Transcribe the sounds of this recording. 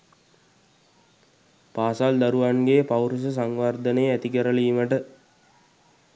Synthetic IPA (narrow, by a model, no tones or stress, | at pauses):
paːsald̪aɾuʋanɡeːpawɾus̬əs̬aŋʋard̪ənəjæt̪ikəɾəliːməʈə